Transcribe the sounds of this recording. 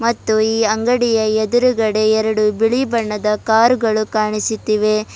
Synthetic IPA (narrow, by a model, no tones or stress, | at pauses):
mɐt̪ːuiːɐŋɡɐɽijɐed̪uɾuɡɐɽe̞ɛɾɐɽubiɭibɐɳːɐd̪ɐkaːɾuɡɐɭukaːɳisut̪ːiʋe